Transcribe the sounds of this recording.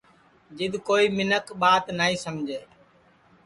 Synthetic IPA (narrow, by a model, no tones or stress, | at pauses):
d͡ʒɪd̪koːiːmɪnəkɓaːt̪naːiːsəmd͡ʒʱeː